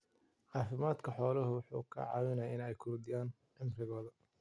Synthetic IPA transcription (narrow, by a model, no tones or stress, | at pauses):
ʕɑːfɪmaːd̪kʰɐħɔːlɐɦʊwʊħṵːkʰɐ̰ʕɑ̰ːwɪnɐjaɪnɛjkʰʊɾd̪ɪjaːn | ʕɪmrɪɣɔːðɐ